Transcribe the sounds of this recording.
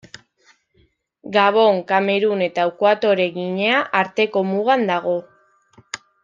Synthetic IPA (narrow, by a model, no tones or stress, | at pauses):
ɡaβ̞o̞ŋkame̞ɾune̞t̪aukoat̪o̞ɾe̞ɣiɲeaʔaɾt̪e̞ko̞muɣand̪aɣo̞